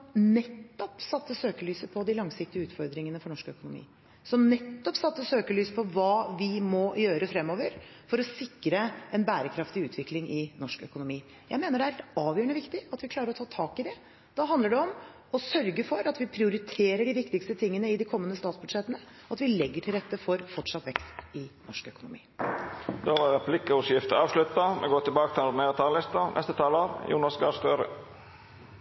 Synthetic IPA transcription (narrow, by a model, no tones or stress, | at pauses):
nɛt̪ːɔpsɑt̪ːəsøːkəɭyːsəpʰɔd̪ɪlɑŋsɪk̚t̪ɪəʉːt̪fɔɾd̪ɾɪŋənəfɔɳɔʂkœkʊnʊmḭː | sɔmnɛt̪ːɔpsɑt̪ːəsøːkəɭyːsəpʰɔʋɑːʋɪmɔjøːɾəfɾɛmːɔːʋəɾ | fɔɾɔsɪkːɾəɛnbæːɾəkʰɾɑft̪ɪʉːt̪ʰʋɪklɪŋʔɪnɔʂkœkʊnʊmiː | jæɪmeːnəɖɛæɾɑːʋjøːəɳəʋɪkt̪ɪɑt̪ʋɪkʰlɑːɾəɾɔt̪ʰɑːt̪ʰɑːkɪd̪ɛ | d̪̥ɑɦɑnd̪əɖɛɔm | ɔsœɾɡəfɔɾɑt̪ʋɪpʰɾɪʊɾɪt̪ʰeːɾəɖɪʋɪkt̪ɪkst̪ət̪ʰɪŋːənəɪd̪ɪkʰɔmːənəst̪ɑːt̪sbʉd̪ʂɛt̪ːənə | ɑt̪ʋɪlɛɡːəʈʰɪlɾɛt̪ːəfɔɾfɔʈʂɑt̪ʋɛkst̪ɪnɔʂkœkʊnʊ̰mḭː | d̪oːʋɑʁɛpʰlɪkəʊsjɪft̪əɑːʋʂlʉt̪ɑmɛ̰ɡoːt̪ɪlbɑːkət̪ʰɪlɔɖneːʁət̪ʰɑːlɪst̪ɑnʔɛ̰st̪ət̪ʰɑːləɾjṵːnɑsɡɑːst̪øːɾə̰